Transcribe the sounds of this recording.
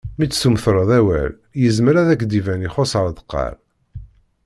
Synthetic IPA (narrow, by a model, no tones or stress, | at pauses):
mit͡sːsumθɾˤəðˤæwæ̰l | jəzməɾæðækːd̪ivæniχosʁəɾd̪ə̥qːɑ̰ɾ